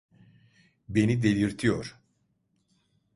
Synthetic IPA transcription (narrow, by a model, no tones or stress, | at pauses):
be̞nid̪e̞lʲiɾt̪ʰijoɾ̥